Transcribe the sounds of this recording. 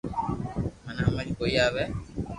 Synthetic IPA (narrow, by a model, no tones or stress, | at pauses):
manamalikojaβɛ